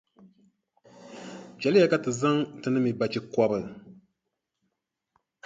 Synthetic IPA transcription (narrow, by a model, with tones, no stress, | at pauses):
d͡ʒɛ˨lɨ˦ja˨ka˨tɨ˨za˦ŋtɨ˨nɨ˦mi˨ba˨t͡ʃi˨˦kɔ˦bɨ˨